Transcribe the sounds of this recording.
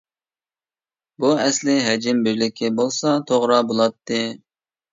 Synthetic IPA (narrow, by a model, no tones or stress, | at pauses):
buɛslɪɦɛd͡ʒɪmbɪɾlɪkʲʰɪbolˠsɑt̪ʰoʁɾɑbolˠɑt̪ʰːɨ